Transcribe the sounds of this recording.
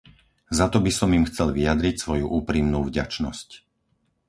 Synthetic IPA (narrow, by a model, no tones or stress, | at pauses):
zat̪ɔbisɔmimxt͡sɛlʋiad̪ɾicsʋɔjuʔuːpɾimnuːvɟa̰t͡ʃnɔ̰sc